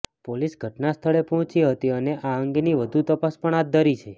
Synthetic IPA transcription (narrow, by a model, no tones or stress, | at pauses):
polisɡʱəʈnast̪ʰəɭepɔɦɔ̃t͡ʃiɦət̪iəneʔaəŋɡeniʋəd̪ʱut̪əpaspəɳ̃at̪̚d̪ʱəɾit͡ʃʰe